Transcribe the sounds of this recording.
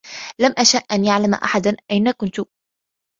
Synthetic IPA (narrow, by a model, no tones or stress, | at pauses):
lamʔaʃaʔʔanjaʕlama̰ʔa̰ħad̪anʔajnakʊnt̪ʊ